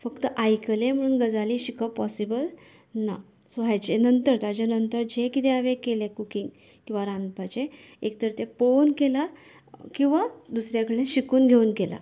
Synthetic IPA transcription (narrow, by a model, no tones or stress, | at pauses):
fəkt̪əʔajkəlẽm̤əuːnɡəd͡zaliːɕikəpɔsibəl | na | soɦajt͡ɕenənt̪əɾt̪ad͡ʑanənt̪əɾd͡ʑekit̪eaʋekelẽkukiŋɡ | kĩw̃ʋaɾand̪pat͡ɕeek̚t̪əɾt̪ẽpɭonkela | kĩw̃ʋad̪usɾjakəɭẽɕikuːnɡʱeuːnkela̰